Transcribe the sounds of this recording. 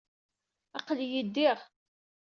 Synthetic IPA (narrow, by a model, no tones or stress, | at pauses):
ɑqljid̪ːɪʁ